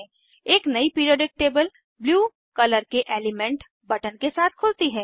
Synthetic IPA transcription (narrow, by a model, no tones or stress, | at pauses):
eːknɐipiːɾoːɖɪk̚ʈeːbəl | bljuː | kɐləɾkeʔeːlɪmɛ̃ɳʈ | bɐʈənkesaːt̪̚ʰkʰʊːlt̪iɦɛː